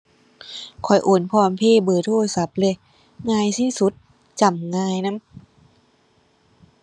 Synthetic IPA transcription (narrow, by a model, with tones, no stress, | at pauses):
kʰɔ˨˩jʔoː˨˩npʰɔː˧npʰeː˧˥˨bɤː˨˩t̪ʰoː˧˩sa˨˦p̚le˧˨ | ŋaː˧jsiː˧˥˨su˧˦t̪̚ | t͡ɕa˨˩mŋaː˧jna˦˥˨m